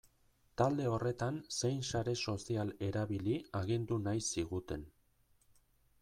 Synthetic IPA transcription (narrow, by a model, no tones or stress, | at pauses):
t̪ald̪e̞o̞re̞t̪anse̞jnsaɾe̞so̞siale̞ɾaβiliaɣind̪unajsiɣut̪e̞n